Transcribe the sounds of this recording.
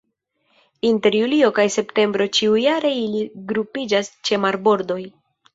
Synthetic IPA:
inte̞ɾjulio̞kajse̞pte̞mbɾo̞t͡ʃiujaɾe̞iliɡɾupid͡ʒast͡ʃe̞maɾbo̞ɾdo̞j

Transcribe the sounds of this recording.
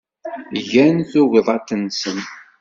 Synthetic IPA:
ʝænθuʁiðˤɑt̪ənsən

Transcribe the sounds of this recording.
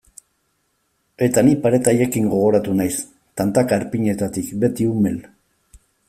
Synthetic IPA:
e̞t̪anipaɾe̞t̪aʎekiŋɡo̞ɣ̞o̞ɾat̪unajs | t̪ant̪akaeɾpiɲe̞t̪at̪ikbe̞t̪iume̞l

